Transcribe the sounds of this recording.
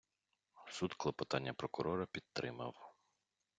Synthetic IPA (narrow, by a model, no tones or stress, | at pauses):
sud̪klˠɐpɔt̪ɑnʲːɐpɾɔkʊɾɔɾɐpʲid̪̚t̪ːɾɪ̰mɐ̰w